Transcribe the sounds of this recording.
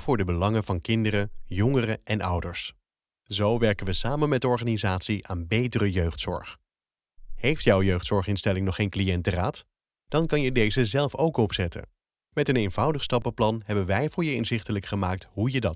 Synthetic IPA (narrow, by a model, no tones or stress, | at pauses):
v̥ʊːɹdəbəlɑŋəvɑnkɪndərəjɔŋərəʔɛnʌ̰wdəɹs | zowʋɛɹkənʋəsaːmənmɛtɔɹχaːnizaːtsiʔaːnbejtərəjøɥχtsɔ̰ɹχ | hejftjɔwjøɥχtsɔɹχɪnstɛlɪŋnɔχːeːjnklijɛntəraːt | d̥ɑnkɑnjədejzəzɛlˠfowkɔpsɛtə̰ | mɛtənejnvɑwdəχstɑpəplɑnɦɛbənʋɛjvʊːɹjəɪnzɪχtələkχəmaːk̚tɦujədɑt